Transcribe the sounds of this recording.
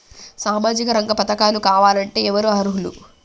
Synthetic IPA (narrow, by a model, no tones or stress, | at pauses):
saːmaːd͡ʒikɐɾɐŋɡɐpɐt̪ɐkaːlukaːʋaːlɐɳʈe̞ːɛʋɐɾuɦɐɾuɦulṵ